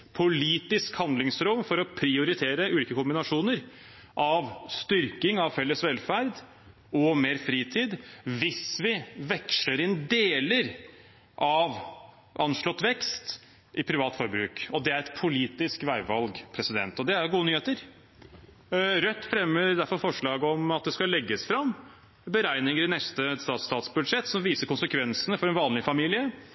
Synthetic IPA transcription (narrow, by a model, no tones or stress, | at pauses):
pʰʊliːt̪ɪskhɑnd̪lɪŋsɾʊmfɔɾɔpʰɾɪʊɾɪt̪ʰeːɾəʉːliːkəkʊmbɪnɑʂuːnəɾ | ʔɑʋst̪ʏɾkɪŋɑʋfɛlːəsʋɛlfæɾd̪ | ɔmeːɾfɾiːt̪ʰiːd̪ʋɪsʋɪʋɛkʂləɾɪnd̪eːləɾ | ʔɑʋ | ʔɑnʂɭɔt̪ːʋɛkst̪ | ʔɪpʰɾɪʋɑːt̪fɔɾbɾʉ̰ːkɔd̪ɛæɾɛt̪pʰʊliːt̪ɪskʋæɪʋɑlɡpʰɾɛsɪd̪ɛ̰nt̪ɔd̪ɛæɾɡuːənyːheːt̪əɾ | ɾœt̪ːfɾɛmːəɾd̪æɾfɔɾfɔʂɭɑːɡəɔmɑt̪̚d̪ɛskɑlɛɡːəsfɾɑm | bəɾæɪnɪŋəɾɪnɛst̪əst̪ɑːt̪st̪ɑːt̪sbʉd̪ʂɛt̪ːsɔmʋiːsəɾkʊnsəkʰʋɛnsənəfɔɾɛnʋɑːnlɪfɑmiːlɪə